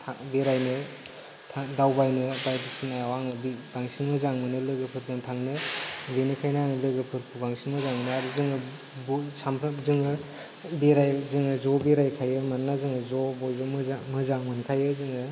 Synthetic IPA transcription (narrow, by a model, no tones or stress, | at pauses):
tʰabiɾajnɯ | tʰadawbajnɯbajdisʰinajawaŋɯbb̥aŋsinmɯzaŋmɯnɯlɯɡɯpʰɯɾzɯŋtʰaŋnɯbinɯkʰajnaŋɯlɯɡɯpʰɯɾpʰubaŋsinmɯzaŋmɯnɯaɾuzɯŋɯ | busʰampʰɾazɯŋɯ | biɾajzɯŋɯzɔbiɾajkʰajɯmanːazɯŋɯzɔbɔjbɯmɯzamɯzaŋmɯnkʰajɯzɯŋɯ